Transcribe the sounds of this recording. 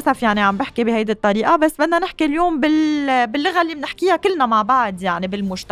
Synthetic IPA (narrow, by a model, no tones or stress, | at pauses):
safjaʕniʕambɪħkibɪhajd̪it̪ˤːɑɾiːʔabasːbɪd̪nanɪħkiljoːmbɪlbɪlːʊɣalːiːmnɪħkɪjakɪlːnamaʕbaʕd̪jaʕnibɪlmʊʒt̪a